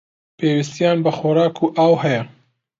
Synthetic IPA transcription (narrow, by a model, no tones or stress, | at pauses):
pʰeːwist̪ijaːnbɐxoɾɑːkʰuːʔaːwɦɛjɐ